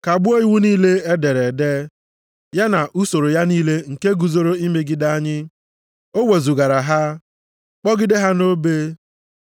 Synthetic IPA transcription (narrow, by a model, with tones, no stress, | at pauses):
ka˨bʊ˦o˦i˦wu˦niː˦le˦e˦de˨ɾe˨de˦ | ja˦na˨ʔu˦so˨ɾo˨ja˦niː˦le˦ŋ̩˨ke˦ɡu˨zo˨ɾo˦i˦me˨ɡɪ˦da˦ɲɪ˦ | o˦we˨zu˨ɡa˨ɾa˨ɦa˦ | k͡pɔ˦ɡɪ˦de˦ɦa˦no˦be˦